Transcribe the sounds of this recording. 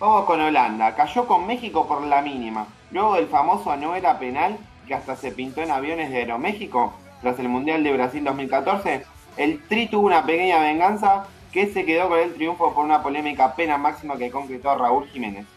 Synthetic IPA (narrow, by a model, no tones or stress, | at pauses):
bamosko̞noland̪akaʃo̞komme̞xiko̞poɾlaminima | lwe̞ɣo̞ðelfamo̞soanoeɾapenal | keast̪ase̞pint̪o̞enaβjo̞neɦðeeɾome̞xiko̞ | t̪ɾaselmũnd̪jald̪e̞βɾasild̪o̞ɦmilkat̪o̞ɾse̞ː | lt̪ɾit̪uβunapekeɲaβe̞ŋɡansa | kesekeðo̞konelt̪ɾjuɱfo̞poɾunapo̞lemikape̞namaksimakeko̞ŋkɾet̪o̞raulximẽ̞̰ne̞s